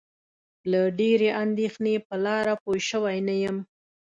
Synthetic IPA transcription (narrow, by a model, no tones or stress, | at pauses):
laɖeɾeʔand̪exnepəlɑɾapojʃəwajnajəm